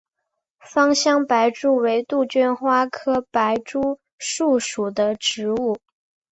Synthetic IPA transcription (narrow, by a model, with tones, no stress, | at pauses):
fɑ˥ŋɕjɑ˥ŋpa˧˥ɪʈ͡ʂu˥˩we˧˥ɪt̪u˥˩t͡ɕɛ˥nxwa˥kʰɤ˥pa˧˥ɪʈ͡ʂu˥ | ʂu˥˩ʂu˨˩d̪ə˦ʈ͡ʂɻ̩˧˥u˥˩